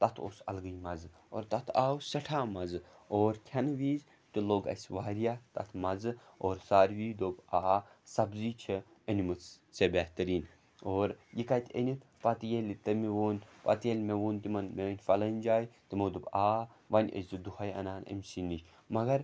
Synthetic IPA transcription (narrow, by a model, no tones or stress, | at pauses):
t̪ɐt̪ʰo̰ːsɐ̰lɡɨjmɐzɨ | o̰ːɾt̪ɐt̪ʰaːwsɐʈʰaːmɐzɨoːɾkʲʰɐnʋiːz | t̪iloːɡɐ̰sʲʋaːɾijaːt̪ɐ̰t̪ʰmɐzɨoːɾsaːɾʋiːd̪oːbaːsɐbziːt͡ʃʰi | ɐnʲimɨt͡s | sebɛht̪ɐɾiːn | oːɾjikɐt̪ʲʰə̰nʲit̪ | pɐt̪jelʲit̪ɐmiʋoːnpɐ̰t̪jelʲmeʋoːnt̪imɐnmeɐnʲfɐlɐnʲd͡ʒaːjt̪imɐd̪obaː | ʋɐnʲə̰szɨd̪uhɐjɐ̰naːnə̰mʲsinit͡ʃ | mɐɡɐɾ